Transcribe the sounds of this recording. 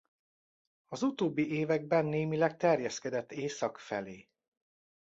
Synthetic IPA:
ɒzut̪oːbːiʔeːvɛɡ̚bɛnːeːmilɛk̚t̪ɛrjɛskɛd̪ɛt̪ːeːsɒkfɛleː

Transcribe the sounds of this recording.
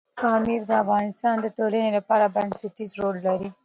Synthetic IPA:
kɑmiɾd̪əafɣɑnɪst̪ɑnd̪əʈolənelapɑɾabansɪʈizɾolːaɾi

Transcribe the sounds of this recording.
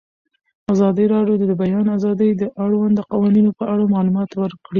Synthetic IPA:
azɑd̪əɾɑɖjod̪d̪əbajɑnazɑd̪əjd̪əʔaɽwand̪d̪əqawɑninopəʔaɽamɑlumɑt̪wəɾkɽi

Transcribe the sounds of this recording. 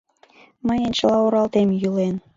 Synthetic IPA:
məjənt͡ɕəlɑoɾɑlt̪emjylen

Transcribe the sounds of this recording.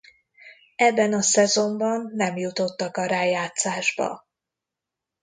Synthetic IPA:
ɛbːɛnɒsɛzo̞mbɒnːɛmjut̪o̞t̪ːɒkɒɾaːjaːt̪saːʒbɒ̰

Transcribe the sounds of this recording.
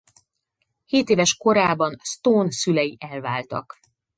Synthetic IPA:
heːt̪eːvɛʃko̞ɾaːbɒnst̪oːnsylɛjiʔɛlvaːlt̪ɒ̰k

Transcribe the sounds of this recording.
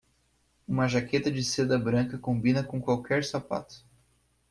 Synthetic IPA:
ũmɐʒaket̪ɐd͡ʒɪsed̪ɐbɾɐ̃ŋkɐkõbĩnɐkõkwawkʰɛɾsapa̰t̪ʊ̥

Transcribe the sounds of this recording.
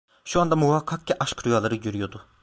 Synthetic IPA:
ʃuand̪amuvakʰːak̚cʲɛʔaʃkɾujalˠaɾɯɟøɾyjo̞d̪ʊ

